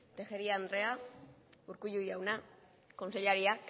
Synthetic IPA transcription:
t̪exeɾiaːnd̪re̞a | uɾkuʎujawna | ko̞nseʎaɾiak

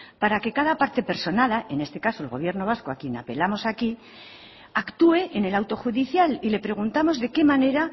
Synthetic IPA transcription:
paɾake̞kaðapaɾt̪e̞pe̞ɾso̞naðaʔe̞ne̞st̪e̞kaso̞elɣo̞β̞je̞ɾno̞β̞asko̞akje̞na̰pe̞lamo̞saki | akt̪ue̞ʔene̞lawt̪o̞xuðiθjalile̞pɾe̞ɣ̞unt̪amo̞zðe̞ke̞mane̞ɾa

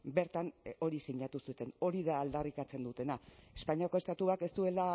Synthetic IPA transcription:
be̞ɾt̪ano̞ɾisiɲat̪usut̪e̞no̞ɾiðaːld̪arikat͡se̞nd̪ut̪e̞nae̞spaɲiako̞est̪at̪uake̞st̪ue̞la

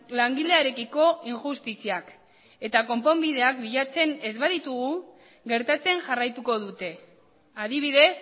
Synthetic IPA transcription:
laŋɡileaɾe̞kiko̞iŋxust̪isiak | e̞t̪ako̞mpo̞mbið̞e̞akbiʎat͡se̞ne̞zβaðit̪uɣu | ɡe̞ɾt̪at͡se̞ŋʝarajt̪uko̞ðut̪e̞ | aðiβ̞iðe̞s

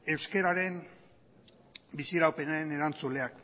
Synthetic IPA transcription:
e̞wske̞ɾaɾe̞n | bisiɾawpe̞naɾe̞ne̞ɾant͡sule̞ak

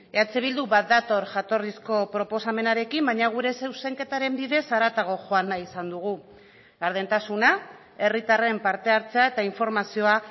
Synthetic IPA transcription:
eat͡seβ̞ild̪uβat̪̚d̪at̪o̞ɾʝat̪o̞risko̞pɾo̞po̞same̞naɾe̞kimbaɲaɣ̞uɾe̞sewse̞ŋke̞t̪aɾe̞mbiðe̞saɾat̪aɣ̞o̞ʝo̞anaisand̪uɣu | aɾð̞ent̪asuna | e̞rit̪are̞mpaɾt̪e̞aɾt͡se̞ae̞t̪aiɱfo̞ɾmasio̞a

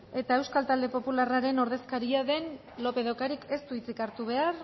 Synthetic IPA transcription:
e̞t̪ae̞wskalt̪ald̪e̞po̞pularaɾe̞no̞ɾðe̞skaɾiaðe̞n | lo̞pe̞ðawkaɾike̞st̪uit͡sikaɾt̪uβ̞e̞ar

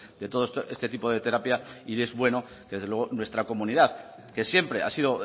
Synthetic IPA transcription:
d̪e̞t̪o̞ð̞oest̪ʔest̪e̞t̪ipo̞ð̞e̞t̪e̞ɾapjaiezβwe̞no̞ | keðezðeweonwe̞st̪ɾako̞mũniðað | ke̞sjempɾe̞ʔa̰siðo̞

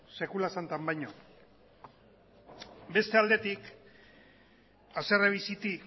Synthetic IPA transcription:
se̞kulasant̪ambajɲo | be̞st̪e̞ald̪e̞t̪ik | asereβisit̪i

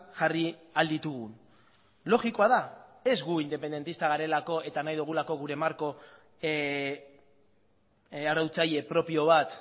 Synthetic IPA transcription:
ʝariald̪it̪uɣ̞un | lo̞ɣiko̞aðae̞zɡuind̪e̞pend̪e̞nt̪ist̪aɣaɾe̞lako̞e̞t̪anajðuɣ̞ulako̞ɣuɾe̞maɾko̞ | aɾawt͡saje̞pɾo̞pio̞β̞at̪

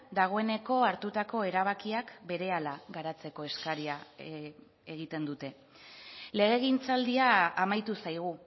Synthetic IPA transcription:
d̪aɣ̞o̞e̞ne̞ko̞aɾt̪ut̪ako̞e̞ɾaβ̞akiakbe̞ɾe̞alaɣaɾat͡se̞ko̞e̞skaɾia | eɣ̞it̪e̞nd̪ut̪e̞ | le̞ɣe̞ɣint͡sald̪iaːmajt̪usajɣ̞u

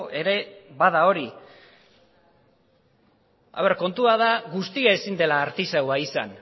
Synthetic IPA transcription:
ʔe̞ɾe̞βað̞ao̞ɾi | a̰βeɾko̞nt̪uaðaɣust̪iaesind̪e̞laːɾt̪isewaisa̰n

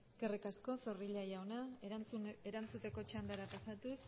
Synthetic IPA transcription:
ɡerikasko̞feriʎajawna | eɾant͡sut̪e̞ko̞t͡ʃamd̪eɾapasat̪us

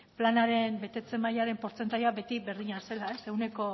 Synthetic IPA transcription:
planaɾe̞mbe̞t̪e̞t͡se̞majaɾe̞mpo̞ɾt͡se̞nt̪ajabe̞t̪iβe̞ɾðiɲase̞lae̞se̞ɣune̞ko̞

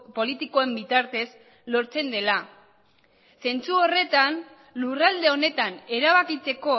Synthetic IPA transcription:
po̞lit̪iko̞e̞mbit̪aɾt̪e̞s | lo̞ɾt͡se̞nd̪e̞la | se̞nt͡suore̞t̪an | lurald̪e̞o̞ne̞t̪ane̞ɾaβ̞akit͡se̞ko̞

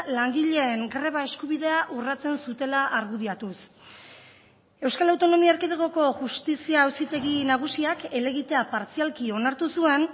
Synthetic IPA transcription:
laŋɡiʎe̞ːŋɡɾe̞β̞ae̞skuβ̞iðe̞aʔurat͡se̞nsut̪e̞laʔaɾɣuðiat̪us | e̞wskalawt̪o̞no̞miaeɾkiðeɣo̞ko̞ʝust̪isiaːwsit̪e̞ɣinaɣ̞usiake̞le̞ɣit̪e̞apaɾt͡sialkio̞naɾt̪usue̞n

